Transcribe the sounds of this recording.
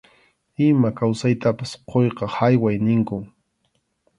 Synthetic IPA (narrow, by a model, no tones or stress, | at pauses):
ɪmakawsajt̪apasqojqɑhajwajnɪŋkʊ